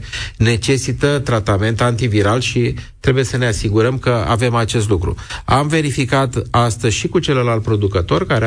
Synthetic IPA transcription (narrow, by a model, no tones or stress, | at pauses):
ne̞t͡ʃe̞sit̪ət̪ɾat̪ame̞nt̪ant̪iviɾalʃit̪ɾe̞buje̞səne̞asiɡuɾəmkəa̰ve̞mat͡ʃe̞st̪lukɾṵamve̞ɾifikat̪ast̪əzʲʃikut͡ʃe̞ləlalt̪̚pɾo̞d̪ukət̪o̞rkaɾe